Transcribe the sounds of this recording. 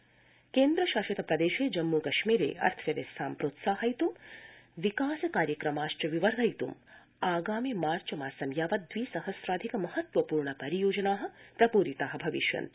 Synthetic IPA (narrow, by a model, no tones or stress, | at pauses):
keːnd̪ɾɐʃaːʃɐt̪ɐpɾɐd̪eːʃeːd͡ʒɐmːukɐʃmiːɾḛːɐ̰ɾt̪ʰʋɐʋesʰaːmpɾoːt̪saːɦɐjt̪umʋikaːsɐkaːɾjɐkɾɐmaːʃʈɐʋiʋɐɾd̪ɐjt̪um | aːɡaːmimaːɾt͡ʃɐmaːsɐmjaːʋɐd̪ʋiːsɐhɐsɾaːd̪ʱikɐmɐhɐt̪ʋɐpuːɾɳɐpɐɾijoːd͡ʒɐnaːɦɐ̆pɾɐpuːɾit̪aːɦɐ̆bʱɐʋḭʃjɐ̰nt̪